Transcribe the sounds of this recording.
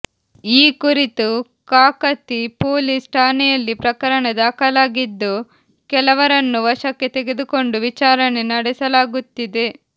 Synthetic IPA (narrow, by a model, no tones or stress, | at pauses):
iːkuɾit̪u | kaːkɐt̪ːipoːlisʈʰaːnɛjɐlːipɾɐkɐɾɐɳed̪aːkɐlaːɡid̪ːu | kɛlɐʋɐɾɐnːuʋɐʂɐkːe̞t̪eɡe̞d̪uko̞ɳɖuʋit͡ʃaːɾɐnenɐɽɛsɐlaːɡut̪ːid̪e̞